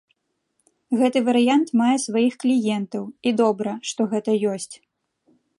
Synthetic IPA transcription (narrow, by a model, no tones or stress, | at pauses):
ɣɛt̪ɨvɐɾɨjant̪majɛsvajixklʲijɛnt̪ɐwid̪ɔbɾɐʂt̪ɔɣɛt̪ɐjɔsʲt͡sʲ